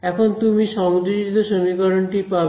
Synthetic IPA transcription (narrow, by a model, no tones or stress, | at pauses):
ɛkʰont̪umiʃɔmod͡ʑod͡ʑit̪oʃomikɔɾonʈipa